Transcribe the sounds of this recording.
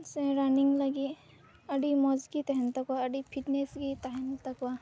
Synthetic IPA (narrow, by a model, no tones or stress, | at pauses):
sẽɾaniŋɡlɐɡi | ɐɖimɔd͡ʒkit̪ɐɦɛnt̪ɐkwaɐɖipʰiʈneskit̪ɐɦɛnt̪ɐkwa